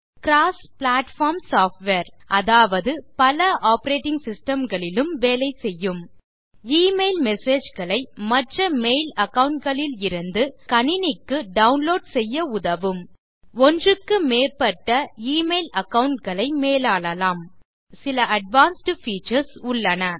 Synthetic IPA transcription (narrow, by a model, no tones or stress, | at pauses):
kɾaːspɭaːʈfaːɾmsaːfʈʋeːɾʔɐðaːʋɐðɯpɐlɐʔaːpɾeːʈɪŋɡsɪsʈɐmɡɐɭɪlɯmʋeːlɐɪsɛjːɯm | iːmeɪlmɛseːd͡ʒɣɐɭɐɪmɐʈrɐmeɪlɐkːɐʋʊɳʈ̚ɡɐɭɪlɪɾɯnd̪ɯkɐɳɪnɪkːɯɖɐʊnloːɖsɛjːɐʊðɐʋɯm | ɔndrɯkːɯmeːɾpɐʈːɐiːmeɪlɐkːɐʋʊɳʈ̚ɡɐɭɐɪmeːlaːɭɐlaːm | sɪlɐʔɐɖʋaːnsʈɯfiːt͡ʃɐɾsʊɭːɐnɐ